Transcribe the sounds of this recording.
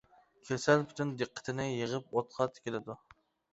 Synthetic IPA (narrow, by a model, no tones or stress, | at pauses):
kʲʰesælpʰy̥t̪ʰynd̪ɨqːə̥t̪ʰɪnɪjəʁəp̚ot̪qʰɑt̪kʲʰelɪd̪u